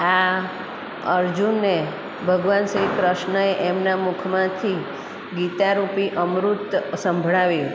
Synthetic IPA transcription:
a | əɾd͡ʒunːe | bʱəɡʋansəɦipɾəʃnəeʔemnamukʰmãt̪ʰi | ɡit̪aɾupiʔəmɾut̪sə̃mbʱɭaʋi

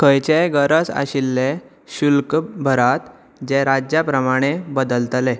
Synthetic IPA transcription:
kʰəjt͡ɕeɡəɾət͡sa̰ɕilːe | ɕulkbʱəɾat̪ | d͡ʑeɾad͡ʑjapɾəmaɽ̃ebəd̪əlt̪le

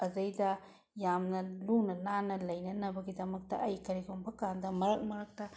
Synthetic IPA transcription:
ɐzɐjdɐ | jamnɐlunɐnanɐlɐjnɐnɐbɐɡidɐmɐk̚tɐ̰ʔɐjkɐɾiɡombɐkandɐmɐɾɐk̚mɐɾɐk̚tɐ

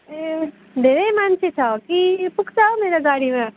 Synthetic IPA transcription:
e | d̪ʱeːɾemant͡ʃʰit͡ʃʰaokipʊkt͡ʃaːomeːɾaɡaːɽimẽ

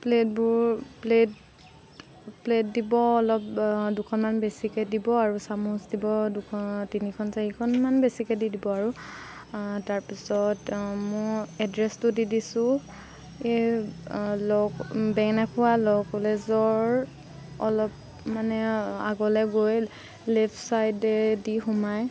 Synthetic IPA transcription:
plet̚bʊɹplet | pletdibɔːlɔp̚dʊkʰɔnmanbesikɛdibɔaɹusamusdibɔdukʰtinikʰɔnsaɦikʰɔnmanbesikɛdidibɔaɹu | taɹpisɔtmɔɛdɹɛstʊdidisʊ̃ | e | lɔkbɛŋnakʰʊwalɔkɔlɛzɔɹ | ɔlɔp | manɛa̰ɡɔlɛɡoj | lɛpʰsajdɛdixʊmaj

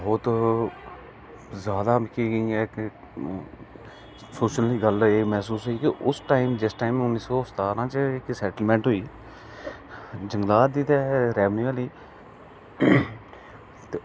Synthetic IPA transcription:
bboːt̪ | zjaːd̪aːmɪkʰːĩɛːk | soːʃənliːɡəleːmɛɦsuːsɦoiːkeʔʊsʈaːɪmd͡ʒɪsʈaːimʊnːiːsoːʊst̪aːɾãːt͡ʃəɪksɛːʈəlmɛ̃ːɳʈɦoːiː | d͡ʒəŋɡlaːt̪̚d̪iːt̪ɛːɾɛːʋniaːliː | t̪eː

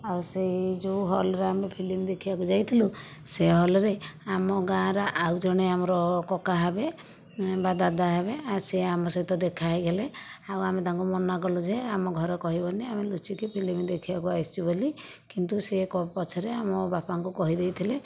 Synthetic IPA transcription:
aused͡ʒuɦɔlɔɾeamepʰilimd̪ekʰibakud͡ʒajt̪ʰilu | seɦɔlɔɾeamɔɡãɾɔʔawd͡ʒɔɽ̃eamɔɾɔkɔkaɦebe | bad̪ad̪aɦebeaseamɔsɔɦit̪ɔd̪ekʰaɦiɡeleawamet̪aŋkumɔnaɡɔlud͡ʒeamɔɡʱɔɾɔkɔɦibɔniamelut͡ʃikipʰilimd̪ekʰibakuajst͡ʃʰiboli | kint̪usekɔpɔt͡ʃʰɔɾeamɔbapaŋkukɔɦid̪ejt̪ʰile

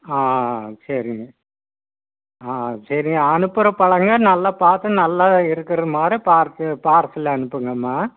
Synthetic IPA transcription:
aːsɐɾɪŋɡɐ | aːsɐɾɪŋɡɐːnɯpːɯɾɐpɐɭɐŋɡɐnɐlːaːpaːɾt̪ːɯnɐlːaːɪɾɯkːɪɾɐðɯmaːd̪ɾipaːɾt̪ːɯpaːɾsɯlːɐɐnɯpːɯŋɡɐmːaː

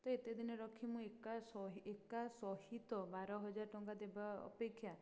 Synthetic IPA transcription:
t̪ɔet̪ed̪ʱinɔɾɔkʰimũekasɔɦekasɔhit̪ɔbaɾɔɦɔd͡ʒaɾɔʈɔŋɡad̪ebaɔ̰pekʰːja

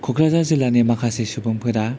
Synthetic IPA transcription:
kʰoɡɾazazɯlːanemakʰasesubɯmpʰɯɾa

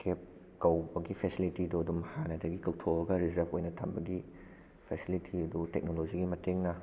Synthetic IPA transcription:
kʰep̚ | kɐwbɐɡipʰesilitiduɐdumhanɐdɐɡikɐwtʰoɐɡɐɾizɐɾpʰojnɐtʰa̰mbɐɡi | pʰesilitʰiɐdutek̚noloziɡimɐteŋnɐ

